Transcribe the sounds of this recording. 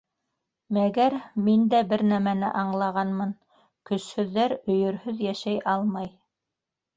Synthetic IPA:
mæɡæɾmind̪æbɘɾnæmænɘ̰ʔɑɴlˠɑʁɑnmɤn | kɵ̆shɵ̆ðːæɾɵ̆jɵ̆ɾhɵðjæʃæjʔɑlˠmɑj

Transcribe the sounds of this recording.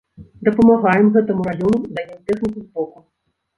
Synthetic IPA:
d̪ɐpɐmaɣajɛmɣɛt̪ɐmuɾajɔnud̪ajʲimt̪ɛxnʲikʲuzbɔku

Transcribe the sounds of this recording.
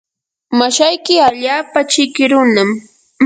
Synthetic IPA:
maʃajkɪaʎaːpat͡ʃɪkɪɾʊnam

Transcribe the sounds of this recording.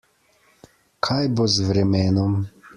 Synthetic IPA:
kʰajbozʋɾɛmɛːnɔm

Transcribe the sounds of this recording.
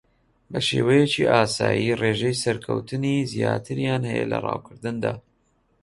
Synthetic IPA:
bɐʃeːwɛjɛt͡ʃiʔaːsaːjireːʒɛjsɐɾkʰə̰wt̪ʰɨnizijaːt̪ʰɨɾjaːnhɛjɛlɐrɑːwkʰɨɾd̪ɨnd̪aː

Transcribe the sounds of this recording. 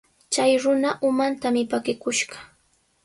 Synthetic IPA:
t͡ʃajɾʊnaʔʊmant̪amɪpakɪkʊʃɢɑ̥

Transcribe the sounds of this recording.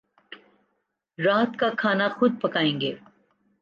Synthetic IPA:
ɾaːt̪kakʰaːnaxʊd̪̚pɐkaːẽːŋɡeː

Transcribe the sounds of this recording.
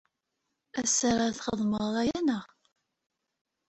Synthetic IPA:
æsaɾˤaθχəðˤməðˤɾˤæjænəʁ

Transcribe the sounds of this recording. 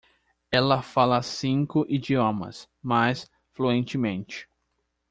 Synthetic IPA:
ɛlɐfalɐsĩŋkʊʔid͡ʒiõmɐ̰s | majs | fluẽnt͡ʃɪmẽnt͡ʃɪ̥

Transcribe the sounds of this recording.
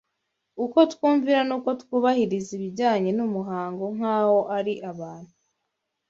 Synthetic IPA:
uko̞tkuːɱviɾanuːko̞tkuβahiɾiziβiɟaːɲe̞numuɦaːŋɡo̞ŋ̥haːwo̞ʔaɾiʔaβaːn̥hu

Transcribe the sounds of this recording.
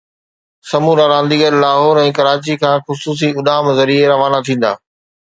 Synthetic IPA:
sɐmuːɾaːɾãːnd̪iɡəɾlaːɦɔːɾɛ̃ːkɐɾaːt͡ɕikʰãːxʊsuːs̬iʊɗaːmzɐɾieɾɐʋaːnat̪ʰĩːn̆d̪a̰ː

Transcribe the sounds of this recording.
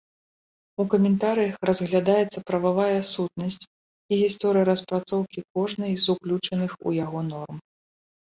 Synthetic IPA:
ukɐmʲɛnt̪aɾɨjɐxrɐzɣlʲad̪ajɛt̪sːɐpɾɐvavajɐsut̪̚nɐsʲt͡sʲ | iɣʲist̪ɔɾɨjɐɾɐspɾat̪sɔwkʲikɔʐnɐjzuklʲut͡ʂɐnɨxṵjaɣɔnɔrm

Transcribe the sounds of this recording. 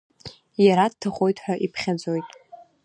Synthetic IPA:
jaɾad̚tʰaχʷʼojtʼʰħʷᶣaʔipʰχʲad͡zo̞jtʼ

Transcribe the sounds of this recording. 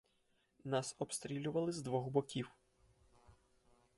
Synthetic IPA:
nɑsɔpst̪ɾʲilʲʊʋɐlˠɪzd̪ʋɔɣbɔkʲiw

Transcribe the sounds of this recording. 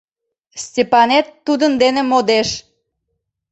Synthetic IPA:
stʲepɑnet̪ːud̪ənd̪enemod̪eʃ

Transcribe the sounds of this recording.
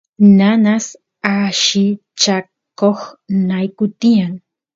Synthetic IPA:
nanas | aʃɪ | t͡ʃa | koχnajkʊt̪ijaŋ

